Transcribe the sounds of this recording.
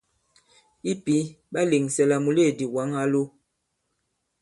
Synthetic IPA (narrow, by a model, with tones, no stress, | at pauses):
i˦pi˨˦ | ɓa˦le˨ŋsɛ˨la˨mu˨le˦˨di˨wa˨˦ŋa˦lo˦